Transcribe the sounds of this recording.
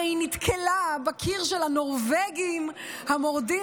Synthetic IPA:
init̪kʰelabakʰiʁʃelanoʁveɡim | hamoʁdi

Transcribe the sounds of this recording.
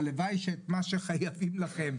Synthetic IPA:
levajʃet̪maʃeχajavimlaχem

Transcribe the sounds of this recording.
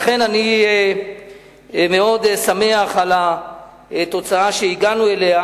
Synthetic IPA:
aχe̞nani | me̞o̞d̪same̞aχala | t̪o̞t͡saaʃeiɡanue̞le̞a

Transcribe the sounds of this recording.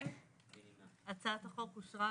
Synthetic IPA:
at͡sat̪aχokuʃʁa

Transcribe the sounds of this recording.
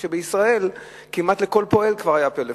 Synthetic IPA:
ʃebeisʁae̞l | kimat̪le̞ko̞lpo̞e̞lkvaʁajapele

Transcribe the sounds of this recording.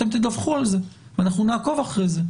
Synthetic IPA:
temt̪id̪avχualze | vanaχnunaːko̞vaχʁejze̞

